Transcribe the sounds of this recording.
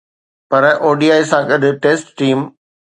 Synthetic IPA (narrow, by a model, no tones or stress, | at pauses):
pɐɾʔoːɖiːaːɪsãɠɐɗʱʊ̆ʈeːsʈːiːm